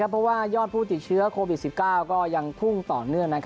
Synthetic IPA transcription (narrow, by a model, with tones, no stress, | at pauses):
a˦˥pʰɾɔ˦˥waː˥˩jɔː˥˩t̪̚pʰuː˥˩t̪i˨˩t̪̚t͡ɕʰɯ˦˥ɐkʰoː˧wi˨˩si˨˩p̚kaː˥˩wkɔː˥˩ja˧ŋp̪ʰu˥˩ŋt̪ɔː˨˩nɯ˥˩əŋna˥kʰ